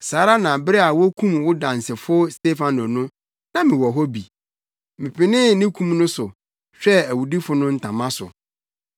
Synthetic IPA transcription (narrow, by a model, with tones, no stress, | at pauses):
saː˨˦ɾa˦nã˨bɾɛ˦a˨wɔ˦kʰũ˦mwʊ˦dã˨n˨sɪ˨fʊ˦ɔ˦ste˦fã˨nɔ˨nʊ̃˦ | nã˦mɪ̃˨wɔ˨ɦɔ˦bi˨ | mɪ̃˨pʰɪ˨nɪ̃˦nɪ̃˦kʰũ˦mnʊ̃˦sʊ˨ | ɕᶣɛ˦æ˨wu˨di˦fʊ˨˦nʊ̃˦n̩˦tʰã˨mã˦sʊ̰˨